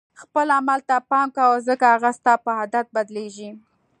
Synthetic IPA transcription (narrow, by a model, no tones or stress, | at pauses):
xpəlamalt̪apɑŋkawəzəkahaɣast̪ɑpəhad̪at̪̚bad̪leʒi